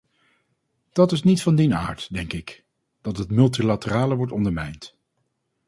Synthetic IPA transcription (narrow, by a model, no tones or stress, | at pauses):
d̥ɑtɪsnitfɑndina̰ːɹtdɛŋkɪk | d̥ɑtɦətmɵlˠtilatəraːləʋɔɹtɔndəɹmɛjnt